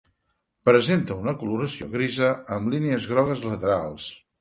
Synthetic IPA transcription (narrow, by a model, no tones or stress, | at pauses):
pɾəzent̪əunəkuluɾəsio̰ɣɾizəəmlineəzɣɾɔɣəzlət̪əɾa̰lˠs